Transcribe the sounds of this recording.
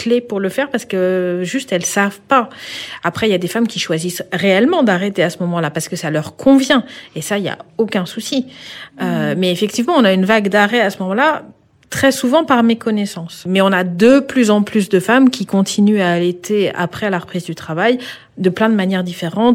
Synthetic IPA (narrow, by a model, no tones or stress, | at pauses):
klepuʁləfɛʁpaʁsə̥kəʒyst̪ɛlsavpaapχɛiljad̪efamkʲiʃwazisʁeɛlmɑ̃d̪aʁet̪easəmɔmɑ̃lapaʁsə̥kəsalœʁkʰɔ̃vjɛ̃esailja̰okʲɛ̃susiømɛːfɛk̚t̪ivmɑ̃ɔ̃naynvaɡd̪aʁɛasəmɔmɑ̃la | t̪χɛsuvɑ̃paʁmekɔnɛsɑ̃smɛɔ̃nad̪əplyzɑ̃plys̬d̪əfamkʲikɔ̃t̪ʰinyaːlet̪ʰea̰pχɛlaʁəpχizd̪yt̪χavaj | d̪əplɛ̃d̪əmanjɛʁd̪ifeʁɑ̃t̪